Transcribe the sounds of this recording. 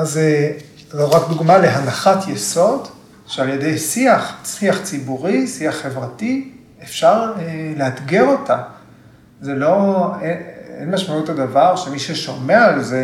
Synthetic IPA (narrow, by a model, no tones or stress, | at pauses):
aze | loʁakd̪uɡmale̞ɦanaχatjeso̞d | ʃealje̞dejsiaχsiaχt͡sibuʁisiaχːe̞vʁati | efʃaʁeleatɡeʁo̞ta | zelo̞eḛnmaʃmautadavaʁʃemiʃeʃomeaalze